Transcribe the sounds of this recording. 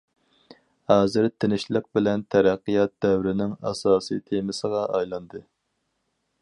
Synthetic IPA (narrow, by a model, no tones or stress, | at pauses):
hɑːzɪɾt̪ʰɪnɪʃlˠəq̚bɪlɛnt̪ʰæɾæqːijɑt̪̚d̪ɛwɾɪnɪŋɑ̰sɑːsɨ̰t̪ʰemɪsəʁɑʔɑjlˠɑnd̪ɨ